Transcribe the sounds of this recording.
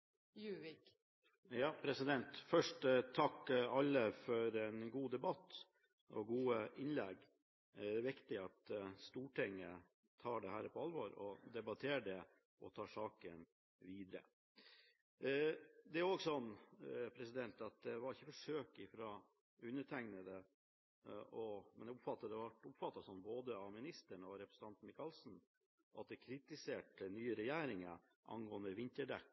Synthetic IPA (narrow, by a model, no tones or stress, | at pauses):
jʉːʋɪk | jɑːpʰɾɛsɪd̪ɛnt̪fœʂʈt̪ʰːɑkːɑlːəfɔɾɛnɡuːd̪ɛbɑt̪ː | ɔɡuːəʔɪnlɛɡ | d̪ɛːɾʋɪkt̪ɪɑt̪st̪uːʈʰɪŋːə | t̪ʰɑːɖɛhæːɾpʰɔɑlʋɔɾɔd̪ɛbɑt̪ʰeːɖɛ | ɔt̪ʰɑːʂɑːkən | ʋiːd̪ɾə̰ | d̪ɛæɾoːɡsɔnːpʰɾɛsɪd̪ɛnt̪ɑt̪̚d̪ɛʋɑɾɪçːəfɔʂøːkɪfɾɑː | ʉnːəʈʰæŋnəd̪ə | ɔmɛnɛʊpfɑt̪ːɑd̪ɛʋɑʈʊpfɑt̪ːɑsɔnːboːd̪əɑmɪnɪst̪əɳɔɾɛpɾə̥sn̩t̪ɑnt̪n̩mɪkɑlsn̩ | ʔɑt̪̚d̪ɛkʰɾɪt̪ɪseːʈənyːəɾɛjæːɾɪŋə | ʔɑ̰nɡoːənd̪əʋɪnt̪əɖɛkː